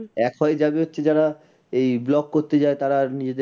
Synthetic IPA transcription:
ɛkɦɔed͡ʑabeɦotːɕʰed͡ʑaɾa | ejblɔkːoɾt̪ed͡ʑaet̪aɾanid͡ʑed̪e

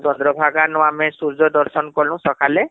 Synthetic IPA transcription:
d͡ʒɔnd̪ɾɔbʱaɡanɔwamesuɾd͡ʒɔd̪ɔɾsɔnkɔlũsɔkʰale

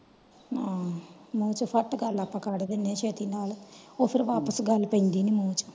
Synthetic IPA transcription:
aːmuːt͡ʃupʰɐʈːɡalːɐpːɐkaːɽɐd̪inːeːʃet̪inaːluopʰiɾʋaːpɐsɡalːupend̪inimuːt͡ʃu̥

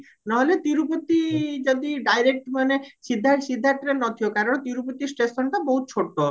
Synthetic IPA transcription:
naɦolet̪iɾupot̪ːid͡ʑod̪iɖajɾek̚ʈmanesid̪ʱːasid̪ʱːaɾt̪ɾenɔt̪ʰiokaɾoɽt̪iɾupot̪ːisʈesɔɳʈaboɦut̪̚t͡ɕʰoʈːo

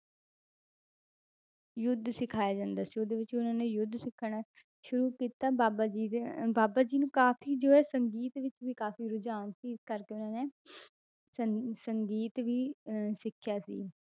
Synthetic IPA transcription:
jʊd̪ʱsɪkʰaːjaːd͡ʒãːnd̪aːsiːoːd̪eːʋɪt͡ʃʊnãːneːjʊd̪ʱsɪkʰːɽ̃aː | ʃʊɾuːkiːt̪aːbaːbad͡ʒiːbaːbaːd͡ʒiːnũːkaːpʰiːd͡ʒoːɛːsəŋɡiːt̪ʋɪt͡ʃʋiːkaːfiːɾʊd͡ʒaːnsiːkəɾkeːʊnãːneː | səsəŋɡiːt̪ʋiːsɪkʰjaːsḭː

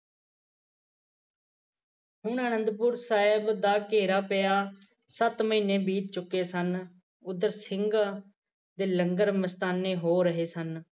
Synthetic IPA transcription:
ɦʊɳəːnənd̪pʊːɾsaːɪbd̪aːkeːɾaːpeːaː | sət̪məiːnːeːbiːt̪̚t͡ʃʊkːeːsən | ʊd̪əɾsɪŋɡ | d̪eːləŋɡəɾməst̪aːnːeːɦoːɾəɦeːsən

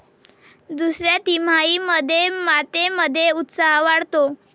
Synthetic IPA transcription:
d̪usɾjat̪im̤aiməd̪ʱːjemat̪eməd̪ʱːjeut̪saɦʋaɽt̪o

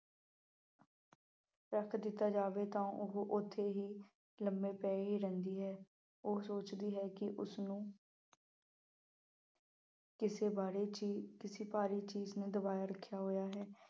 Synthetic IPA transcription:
ɾəkʰd̪ɪt̪ːaːd͡ʒaːʋeːt̪ãːʔoɦoʔʊt̪ʰːeːɦiː | ləmbeːpɛːɦiːɾɛ̃nd̪iːɦɛː | oːsoːt͡ʃd̪iːɦɛːkɪʔʊsnũː | kɪsebaːɾekɪsiːpaːɾiːt͡ʃiːzneːd̪ʊbaːjaːɾəkʰːjaːɦoːjaːɦɛː

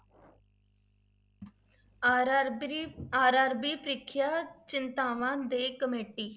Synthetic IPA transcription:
aːɾaːɾbiːpʰɾɪkʰːɪjaːt͡ʃɪnt̪aːʋãːd̪eːkəmeːʈiː

